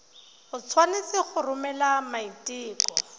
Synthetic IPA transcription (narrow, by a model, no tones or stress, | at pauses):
hʊt͡sʰwanɪsɪχʊrʊmɛlamaitʼiːkʼɔ